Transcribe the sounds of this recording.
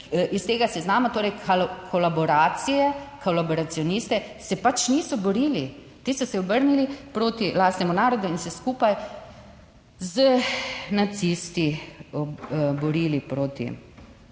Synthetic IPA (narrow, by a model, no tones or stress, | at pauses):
ʔist̪eːɡasɛznaːmat̪oːɾɛjkʰalkʰɔlabɔɾaːt̪sijɛkɔlaboɾat̪siɔnist̪ɛsɛpat͡ʃniːsɔbɔɾiːli | t̪iːsɔsɛɔbəɾnilipɾoːt̪ilaːst̪nɛmunaːɾɔd̪uinsɛskuːpaj | zənat̪sist̪i | bɔɾiːlipɾoːt̪ḭ